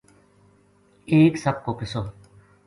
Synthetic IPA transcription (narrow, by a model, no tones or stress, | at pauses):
eːksəb̚koːpɪsoː